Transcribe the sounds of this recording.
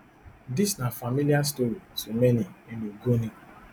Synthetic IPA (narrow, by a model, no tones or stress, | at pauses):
disnafamilias̬toɾisomenieniɡoni